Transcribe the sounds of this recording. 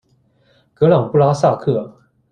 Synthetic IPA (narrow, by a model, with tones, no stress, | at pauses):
kɤ˧˥lɑ˨˩ŋpu˥˩la˥sa˥˧kʰɤ˥˩